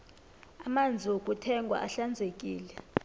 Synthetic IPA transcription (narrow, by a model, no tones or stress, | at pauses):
amand͡zʱiokʼutʰɛŋɡʱwa̰ʔaɬand͡zʱekʼiːlɛ